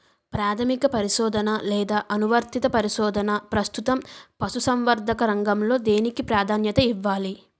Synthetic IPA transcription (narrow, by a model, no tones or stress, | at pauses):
pɾaːt̪ʰɐmikɐpɐɾiʃɔːd̪ɐnɐlɛːd̪aːʔɐnuʋɐɾt̪it̪ɐpɐɾiʃɔːd̪ʱɐnɐpɾɐst̪ut̪ɐmpɐsusɐmʋɐɾd̪ʱɐkɐɾɐŋɡɐmlo̞ːd̪e̞ːnikipɾaːd̪ʱaːnjɐt̪ɐiʋːaːli